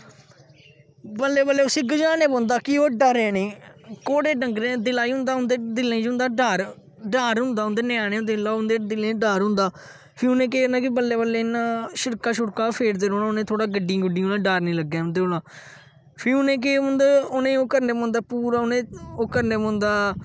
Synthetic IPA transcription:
bəlːeːbəlːeːʊsĩːɡəd͡ʒaːnẽːpõːnd̪aːkɪoːɖəɾẽːnĩːkoːɽeːɖəŋɡɾẽːd̪ɪlaːiːɦʊ̃nd̪aːɦʊnd̪eːd̪ɪlẽːd͡ʒʊ̃nd̪aːɖaːɾ | ɖaːɾɦʊnd̪aːʊ̃nd̪eːnaːnẽːʊnd̪eːlaːʊnd̪eːd̪ɪlẽːɖaːɾɦʊ̃nd̪aː | pʰɪiʊnẽːk̬eːnd̪aːk̬ɪbəlːeːbəlːeːnːãːʃɪɾkaːʃʊɽkaːpʰeːɾd̪eːɾoːnaːʊnẽːt̪ʰoːɽaːɡəɖĩːɡəɖĩːɦoːnãːɖaːɾnĩːləɡːɛ̃ːʊ̃nd̪eːɦoːɽaː | pʰiʊnẽːk̬eːɦʊ̃nd̪aːʊnẽːoːkəɾneːmõːnd̪aːpuːɾaːʊnẽːoːkəɾneːmõːnd̪aː

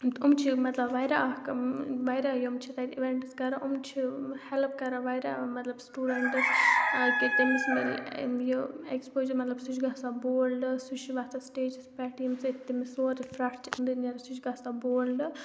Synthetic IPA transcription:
umt͡ʃʰimɐt̪lɐbʋajɾakʋajɾajomt͡ʃʰit̪at̪iʋeɳʈskɐɾaʔʊmt͡ʃʰihɛlpkɐɾaʋajɾa̰ːmɐt̪lɐbsʈuːɖeɳʈskit̪imismeljoekspoːd͡ʒɐɾmɐt̪lɐbsut͡ʃʰɡasaboːlɖsut͡ʃʰiʋaːst̪asʈeːd͡ʒspɛːʈimst̪imisoːɾifɾɐʈt͡ʃind̪ineɾsut͡ʃʰɡaːsaboːlɖ

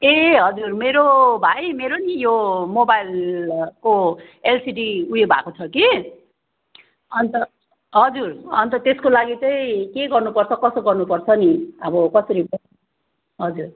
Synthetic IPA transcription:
eɦʌd͡zurmeɾobʱajmeɾonijomobajlko | elsiɖiujebʱa̰kot͡sʰʌki | ʌnt̪ʌ | ɦʌd͡zurʌnt̪ʌt̪eskolaɡit͡sʌĩkeɡʌrnupʌrt͡sʰʌkʌsoɡʌrnupʌrt͡sʰʌniʌbʌkʌsʌɾibʌ | ɦʌd͡zur

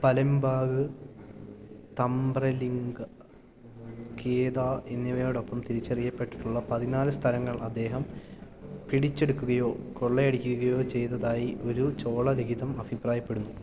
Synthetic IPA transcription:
pɐlɐmbaːɡɨ | t̪ɐmbrɐliŋɡɐ | keːd̪aːenːiʋɐjoːɽo̞pːɐmt̪iɾit͡ɕːɐrijːɐpːe̞ʈːi̥ʈːuɭːɐpɐðinaːlɨst̪ʰɐlɐŋːɐɭɐd̪ːe̞ːɦɐm | piɽit͡ɕːe̞ɽukːuɣɐjo̞ːkoɭːeeɽikʲːuɣɐjo̞ːt͡ɕe̞jt̪ːɐðaːjiʔo̞ɾut͡ɕo̞ːɭɐleɡiðɐmɐbʱipraːjɐpːe̞ɽunːu

